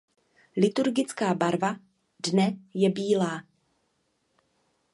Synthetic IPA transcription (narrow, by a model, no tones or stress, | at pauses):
lɪt̪uɾɡɪt͡skaːbaɾva | dnɛjɛbiːlaː